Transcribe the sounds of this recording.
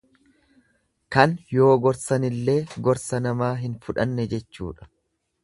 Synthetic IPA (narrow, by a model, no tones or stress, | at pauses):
kɐnjo̞ːɡɔɾsɐnɪlːe̞ːɡɔɾsɐnɐmaːɦɪnfʊᶑɐnːɛd͡ʒɛt͡ʃːṵːᶑɐ̥